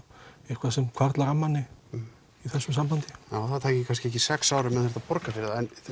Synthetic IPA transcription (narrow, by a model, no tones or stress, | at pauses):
ɛhkvaðsɛmkʰvaɾt̪laɾamːanːɪ | iθɛnsʏmsampawnt̪ɪjaːwθaðt̪ʰaːcɪkʰans̬cɪɛhc̬ɪsɛksaːwɾʏmːɛðaθɛɾt̪apɔɾkafɪɾɪðaɛn